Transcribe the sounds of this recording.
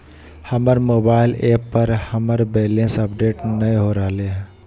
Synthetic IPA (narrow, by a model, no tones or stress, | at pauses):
hɐməɾmoːbaːɪleːpːəɾhəməɾbɛːlẽːnsəpɖeːʈnɐĩɦoːɾaːɦleɦɛ̃ː